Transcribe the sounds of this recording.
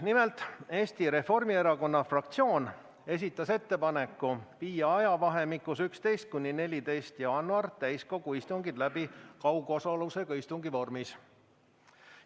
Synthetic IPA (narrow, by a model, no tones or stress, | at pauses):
nime̞lt̪ˑe̞ːst̪iɾe̞fo̞rmie̞ɾɑko̞nːɑfrɑkt̪sio̞ːn | e̞s̬ʲit̪ˑːɑse̞t̪ːe̞pɑne̞kːˑupiːjɑɑjɑvɑɦe̞mikːˑusykst̪e̞jst̪̚kunʲːine̞lʲit̪e̞jst̪jɑɑnːuɑrt̪æjsko̞ɡ̥uist̪uŋɡid̪læbikɑwɡ̥o̞sɑluse̞ɡ̥ɑist̪uŋɡivo̞rmis